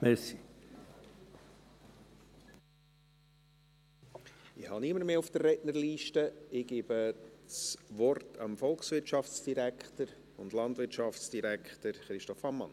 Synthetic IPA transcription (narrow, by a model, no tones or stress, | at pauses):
mɛsi | ɪhɑniəməɾmeːʊfd̥ərrɛtnəɾliːʃtəɪɡ̥iːbəsʋɔrtʰɑ̰mfɔlˠksʋɪɾtt͡ʃɑft͡sd̥iɾækχtəɾ | ʊndlɑntvʋɪɾtʃɑftt͡sd̥iɾækχtəɾχɾɪʃtɔfɑmːɑ̰n